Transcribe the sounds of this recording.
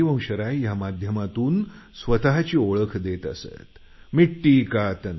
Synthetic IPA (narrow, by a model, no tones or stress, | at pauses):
iʋə̃w̃ɕəɾajamad̪ʱjəmat̪uːnsʋət̪aɦat͡ɕiːoɭəkʰd̪et̪ə̰sḛt̪ | miʈːiːkat̪ən